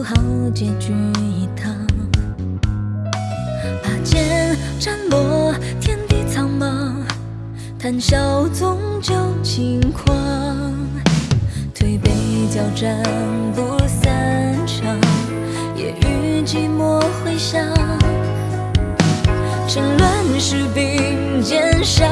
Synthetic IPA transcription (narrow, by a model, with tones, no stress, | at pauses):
xɑ˨˧˥ʊt͡ɕɛ˧˩t͡ɕy˧i˨˩t̪ʰɑ˧ | pa˨˩t͡ɕjɛ˧n | ʈ͡ʂa˥nlɔ˧˥t̪ʰjɛ˥nt̪i˥˧t͡sʰɑ˥ŋmɑ˧ | t̪ʰa˧˥nɕjɑ˧ʊt͡sʊ˧˥ŋt͡ɕjo˧ʊt͡ɕʰi˧˥ŋkʰwɑ˧ŋ | t̪ʰwe˧˩ɪpe˧˩ɪt͡ɕjɑ˨˩ʊʈ͡ʂa˧ | npu˧˥sa˧nʈ͡ʂʰɑ˧˩ŋ | jɛ̰˨˩ʔy˧˥t͡ɕi˧˥mwɔ˥xwe˥ɪɕjɑ˧ | ʈ͡ʂə˥ŋlwa˧n˨ʂɻ̩˧˥pi˧ŋt͡ɕjɛ˧˥nʂɑ˧